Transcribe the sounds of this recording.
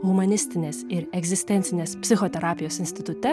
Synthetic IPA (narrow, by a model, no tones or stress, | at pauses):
ɣʊmɐnʲɪsʲt̪ʲɪnʲeːsɪɾɛɡzʲɪsʲt̪ʲɛnʲt̪ʲɪnʲeːspʲsʲɪxɔt̪ʲɛɾaːpʲɪjoːsɪnʲsʲt̪ʲɪt̪ʊt̪ʲɛ